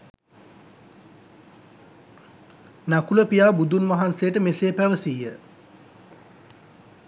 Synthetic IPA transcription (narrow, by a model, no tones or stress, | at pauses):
nakuləpijaːbud̪unʋaɦansejəʈəmeseːpæʋəsijə